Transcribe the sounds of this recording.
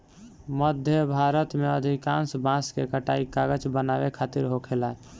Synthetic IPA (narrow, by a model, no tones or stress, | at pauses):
məd̪ʱjəbʱaɾət̪meəd̪ʱikãnsbãskekəʈaikaɡət͡ʃbənabekʰat̪iɾɦokʰela